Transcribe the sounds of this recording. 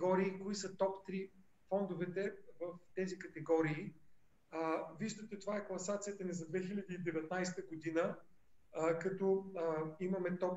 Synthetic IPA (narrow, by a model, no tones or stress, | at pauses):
ɔɾiːkoisət̪ɔpt̪ɾi | fɔnd̪ʊvɛt̪ɛvəft̪ɛzikɐt̪ɛɡɔɾiː | viʒd̪ət̪ɛt̪ovaɛklˠɐsat̪sijət̪ənɛzɐd̪vɛxilʲɐd̪iːd̪ɛvɛt̪̚najst̪əɡod̪inə | kɐt̪ɔ | imɐmɛt̪ɔp